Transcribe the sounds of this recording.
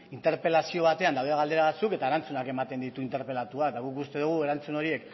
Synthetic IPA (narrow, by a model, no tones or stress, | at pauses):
int̪e̞ɾpe̞lasio̞β̞at̪e̞and̪awðeaɣald̪eaβat͡suke̞t̪aeɾant͡sunake̞mat̪e̞nd̪it̪uint̪e̞ɾpe̞lat̪uakt̪aɣukust̪e̞ðuɣ̞ue̞ɾant͡suno̞ɾie̞k